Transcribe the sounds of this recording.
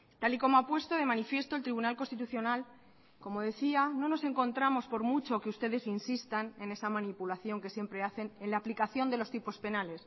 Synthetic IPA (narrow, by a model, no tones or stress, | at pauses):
t̪aliko̞moapwe̞st̪o̞ðe̞manifje̞st̪o̞lt̪ɾiβunalko̞nst̪it̪uθjonal | ko̞mo̞ðe̞θiano̞no̞se̞ŋko̞nt̪ɾamo̞spo̞ɾmut͡ʃo̞keust̪e̞ðe̞sinsist̪anẽ̞ne̞samãnipulaθjo̞ŋke̞sje̞mpɾe̞aθe̞nenlaːplikaθjo̞nd̪e̞lo̞st̪ipo̞spe̞nale̞s